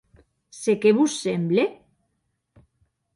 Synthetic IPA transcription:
sekeβusːemble

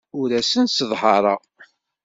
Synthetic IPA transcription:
ʊɾæsənsəðˤhɑɾˤɑ

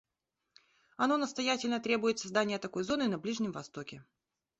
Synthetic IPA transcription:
ɐno̞nəst̪ɐjatʲɪlʲnət̪ɾʲe̞bʊjɪt̪sɐzd̪anʲɪjət̪ɐko̞jzo̞nɨnɐblʲiʐnʲɪmvɐst̪o̞kʲɪ

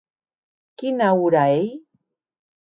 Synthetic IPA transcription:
kɪnaʊɾaj

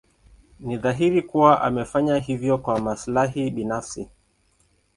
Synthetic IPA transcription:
niðaɦiɾikuwaʔa̰mɛfaɲaɦivjɔkwamaslaɦiɓinafsi

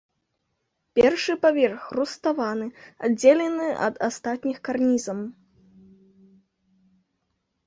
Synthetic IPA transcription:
pʲɛrʂɨpavʲɛrxrust̪avanɨa̰d͡zʲelʲɛnɨɐ̰d̪a̰st̪at̪ʲnʲixkarnʲizɐm

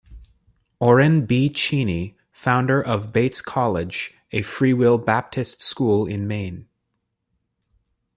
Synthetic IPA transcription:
ɔɹɛ̃nbit͡ʃʰĩni | fãʊ̃ndə˞ʔʌvbeɪtskʰɑlˠɪd͡ʒ | ɨfɹiwɪlˠbæp̚tʰɨstskulˠɪ̃nmẽɪ̃n

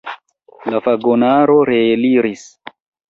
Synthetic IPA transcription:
lafaɡonaɾo̞ɾeːliɾis

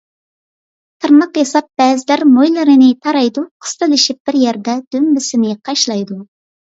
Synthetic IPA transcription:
t̪ʰɨɾnəqjɑsɑp̚b̥ɛːzɪlæɾmojlˠɨɾɨnɪt̪ʰɑɾɑjd̪uqʰə̥st̪ɨlˠɪʃip̚b̥ɪɾjɛɾd̪ɛd̪̥ømbɪsɪnɪqʰɑʃlˠɑjd̪u

